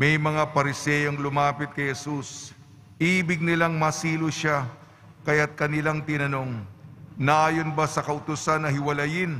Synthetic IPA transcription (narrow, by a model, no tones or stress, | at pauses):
mɛjmɐŋapɐɾɪsɛjoŋlʊmaːpɪt̪̚kɐjhɛsus | ʔiːbɪɡ̚nɪlaŋmɐsiːlʊʃa | kɐjat̪̚kɐnɪlaŋt̪ɪnɐno̞ŋnɐʔaːjonbasɐkɐʔʊt̪ʊsanɐɦɪwɐlɐjɪn